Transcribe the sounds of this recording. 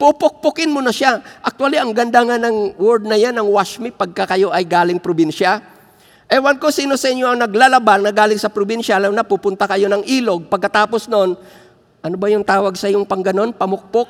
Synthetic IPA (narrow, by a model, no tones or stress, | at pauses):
pʊpʊk̚pʊkɪnmonɐʃaʔɐk̚t̪waliɐŋɡɐnd̪aŋanɐŋwɛɾd̪̚nɐjanɐŋwaʃmipɐɡ̚kɐkɐjo̞ʔɐjɡaːlɪŋpɾobinʃɐ | ʔɛwɐnkosiːno̞sɐʔɪɲjo̞ʔɐŋnɐɡlalɐbaŋnɐɡaːlɪŋsɐpɾobinʃɐʔɐlɐwnɐpupʊnt̪ɐkɐjo̞nɐŋʔiːlo̞ɡ̚pɐɡ̚kɐt̪aːpo̞snoʔon | ʔɐnobɐjʊŋt̪aːwɐɡsɐɪjoŋpɐŋɡɐno̞npɐmʊk̚pok̚